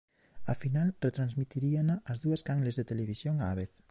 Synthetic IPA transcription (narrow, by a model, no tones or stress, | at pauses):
ɐfinalret̪ɾanzmit̪iɾianaʔːzðuɐskaŋlezðet̪eleβ̞isjoŋaβeθ